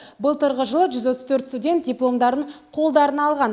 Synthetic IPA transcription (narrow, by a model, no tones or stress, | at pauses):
bəlˠt̪əɾʁəʒəlˠəʒʏzwo̞t̪ːəzt̪ʰɵɾt̪st̪udʲe̞nt̪̚dʲijplˠo̞md̪ɑɾd̪əɴqʰo̞lˠd̪ɑɾənɑlˠʁɑn